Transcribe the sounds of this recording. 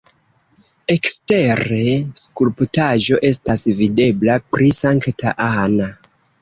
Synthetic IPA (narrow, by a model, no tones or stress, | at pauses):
e̞kste̞ɾe̞skulptaʒo̞ʔe̞stasvide̞blapɾisaŋktʰaʔana